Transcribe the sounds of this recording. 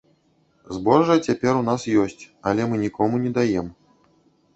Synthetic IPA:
zbɔʐɐt͡sʲapʲɛɾunasjɔsʲt͡sʲ | ɐlʲɛmɨnʲikɔmunʲɛd̪ajɛm

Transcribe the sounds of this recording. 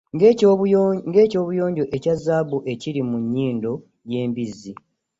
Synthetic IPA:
ŋɡe̞ːco̞ːβujo̞ːɲɟo̞ʔe̞cazːaːbuʔe̞ciɾimuɲːiːndo̞ | je̞ːmbizi

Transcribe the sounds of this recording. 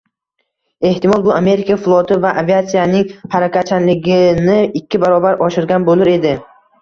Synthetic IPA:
e̞ht̪ɪmɒlˠbʊame̞ɾɪkʰaflˠot̪ʰɪvaʔaviat̪sijanɪŋhaɾakʲʰat͡ʃʰanlɪɡʲɪnɪɪkʲʰːɪbaɾɒbaɾʔɒʃɪɾɡʲanbolɪɾe̞d̪ɪ

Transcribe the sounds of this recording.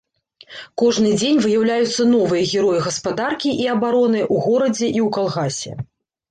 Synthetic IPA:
kɔʐnɨd͡zʲenʲvɨjawlʲajut̪sːɐn̪ɔvɨjɐɣʲɛɾɔjiɣɐspad̪arkʲiʔiɐbaɾɔnɨʔuɣɔɾɐd͡zʲɛʔiwkalˠɣasʲɛ̰

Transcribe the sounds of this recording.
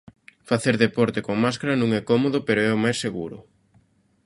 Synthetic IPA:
faθeɾðepɔɾt̪ekoŋmaskaɾɐnũŋɛkɔmoðʊpeɾʊɛʊmajsːeɣuɾʊ̰

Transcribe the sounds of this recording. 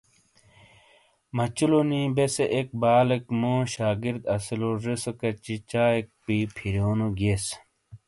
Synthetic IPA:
mɐt͡ɕulonĩːbeseʔek̚baːlekmõːɕaːɡiɾd̪ɐsiloɾesokɐt͡ɕit͡ɕaːek̚piːpʰiɾjoːnoɡeːs

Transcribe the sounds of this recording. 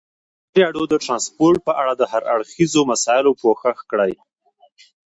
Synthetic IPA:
ɾjɑɽod̪əʈɾɑnspoɾʈ̚pəʔaɽad̪əhaɾa̰ɽxizomasɑɪlopoxaxkɽaj

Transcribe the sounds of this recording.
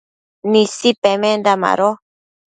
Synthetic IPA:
nĩsipemẽnd̪ama̰ɾo

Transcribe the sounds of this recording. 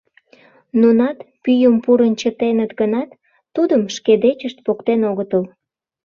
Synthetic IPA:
nunɑt̪pyjəmpuɾənt͡ɕət̪enət̪ɡənɑt̪ː | ud̪əmʃked̪et͡ɕəʃt̪̚pokt̪enoɣət̪əl

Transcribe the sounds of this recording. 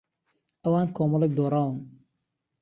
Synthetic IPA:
ɐwaːnkɔːmɔlɐɡ̚d̪ɔːɾaːwun

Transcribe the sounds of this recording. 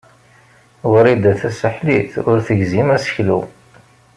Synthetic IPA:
wəɾid̪æθæsəħliθʊɾθəʝzimæsə̥çlṵ

